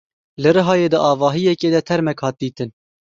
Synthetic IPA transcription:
lɨɾɨɦɑːjeːd̪ɨʔɑːvɑːɦijɛkeːd̪ɛt̪ʰɛɾmɛkhɑːt̪̚d̪iːt̪ɨn

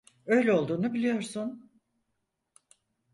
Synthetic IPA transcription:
ø̞jlʲɛo̞lˠd̪uːnubilʲijo̞ɾsun

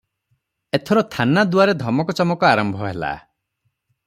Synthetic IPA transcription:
et̪ʰɔɾɔt̪ʰanad̪waɾed̪ʱɔmɔkɔt͡ʃɔmɔkɔaɾɔmbʱɔɦela̰

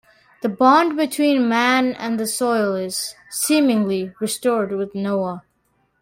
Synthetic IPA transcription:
ðəbɑ̃nd̚bɨtʰw̥ĩnmæ̃nɨ̰̃nðɨsɔɪlˠɪz̥sĩmɪ̃ŋliɹɨstɔɹd̚wɪðnoʊə

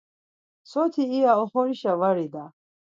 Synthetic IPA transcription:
sɔt̪ʰiːaɔχɔɾiʃavaɾid̪a

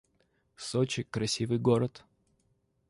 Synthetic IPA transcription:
sot͡ɕɪkɾɐsʲivɨjɡɔɾət̪

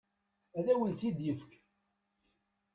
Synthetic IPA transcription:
æðæwənθid̪jəfk

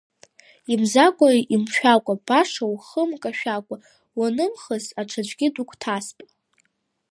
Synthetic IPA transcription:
imzakʷʼaiʔimʃᶣakʷʼab̥aʂawχəmkʼaʃᶣakʷʼa | wanɨmχəzaʈ͡ʂʰad͡ʒʷʼɡʲɪdukʷʰʼtʰaspʼ

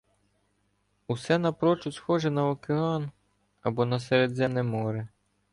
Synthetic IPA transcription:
usɛnɐpɾɔt͡ʃʊsxɔʒɛnɐɔkeɑn | ɐbɔnɐsɛɾed̪zɛmnɛmɔɾe

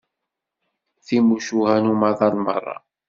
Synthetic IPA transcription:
θimuʃuɣænumɑðˤɑlmɑ̰rˤːɑ̰

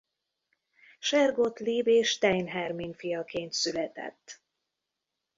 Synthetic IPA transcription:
ʃɛrɡot̪liːbeːʃt̪ɛjnɦɛrmiɲfijɒkeːnt̪sylɛt̪ɛ̰t̪ː

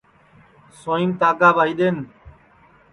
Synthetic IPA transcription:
soːiːmt̪aːɡaːʋaːɦiːɗeːn

